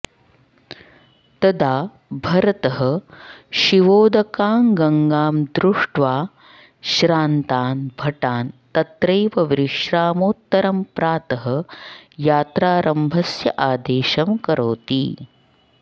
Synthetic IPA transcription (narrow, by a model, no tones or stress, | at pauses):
t̪ɐd̪aː | bʱɐɾɐt̪ɐɦɐ̆ʃiʋoːd̪ɐkaːŋɡɐŋɡaːmd̪ɾuʂʈʋaː | ʃɾaːnt̪aːnbʱɐʈaːnt̪ɐt̪ɾɐjʋɐʋɾiʂɾaːmoːt̪ːɐɾɐmpɾaːt̪ɐɦɐjaːt̪ɾaːɾɐmbʱɐsjɐʔaːd̪eːʃɐmkɐɾʔoːt̪ḭː